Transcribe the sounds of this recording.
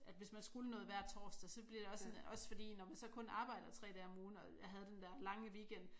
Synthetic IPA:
ʔæd̥ʋe̝smænsɡ̥ulənɔ̽ːð̩ˠʋæɐ̰d̥̚t͡sʰɒ̰ːsd̥æsɒ̽b̥liɐɾ̥e̝ɒ̽ssnʔɒ̽sfɒ̽d̥ḭːnɒmænsɒ̽kʰɔ̽nɑ̈ːb̥ɑ̈ɪ̰d̥ɐt͡sʰʁɛ̰ːd̥ɛːɒmuːn̩ɒ̽jɦæð̞ˠəd̥end̥æɐ̰lɑ̈ŋəʋiːɡ̥end̥

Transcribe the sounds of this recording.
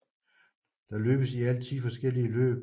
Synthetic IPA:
d̥ɑ̈lø̰ːb̥əsiæl̰t͡sʰiːfɒ̽sɡ̥el̰iəlø̰ːb̥

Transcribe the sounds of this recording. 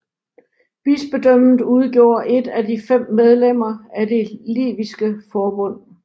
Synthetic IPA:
b̥isb̥e̝d̥øm̰n̩ˠuð̞ˠɡ̥jo̝ːɐʔe̝d̥ædifem̰ːeð̞ˠlem̰ɐæde̝lḭːʋisɡ̥əfɒːb̥ɔ̽n̰

